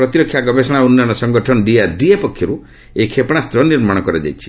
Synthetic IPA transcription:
pɾɔt̪iɾɔkʰːjaɡɔbesɔɽ̃aunːɔnɔsɔŋɡɔʈʰɔnɔɖiaɾɖiepɔkʰːjɔɾu | ekʰepɽ̃ast̪ɾɔniɾmaɽ̃ɔkɔɾɔd͡ʒa̰jt͡ʃʰi̥

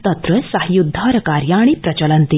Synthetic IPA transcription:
t̪ɐt̪ɾəsaɦjud̪ʱːaɾkaɾjaaɽ̃ipɾɐt͡ɕələnt̪i

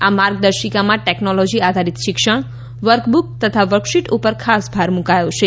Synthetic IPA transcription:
amaɾɡ̚d̪əɾʃikamãʈeknolɔd͡ʒiad̪ʱaɾit̪ʃɪkʃəɽ̃ | ʋəɾkbuk̚t̪ət̪ʰaʋəɾkʃiʈupəɾkʰasbʱaɾmũkajot͡ʃʰe

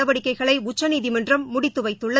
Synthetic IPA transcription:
ɐʋɐɽɪkːɐɪɣɐɭɐɪʊt͡ʃːɐniːðimɐndrɐmːʊɽɪt̪ːɯʋɐɪt̪ːʊɭːɐ

